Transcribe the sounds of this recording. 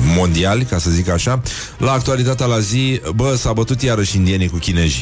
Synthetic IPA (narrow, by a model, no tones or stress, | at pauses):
mo̞nd̪ialʲkasəzikaʃa | laːk̚t̪ualit̪at̪ealazibəsabət̪ut̪jaɾəʃind̪ianikukʲine̞ʒi